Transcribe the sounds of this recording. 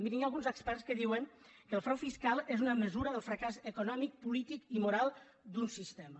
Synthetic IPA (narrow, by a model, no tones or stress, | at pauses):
mbiniɲalˠɣunzəkspɛrskəðiwəŋ | kəlˠfɾɛwfiskalˠezunəməzuɾəðəlˠfɾəkazəkunɔmik̚pulit̪ikimuɾalˠ | d̪unsist̪emə